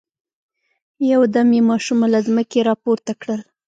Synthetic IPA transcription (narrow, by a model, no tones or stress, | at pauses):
jawd̪amjemɑʃumalazməkeɾɑpoɾt̪akɽəl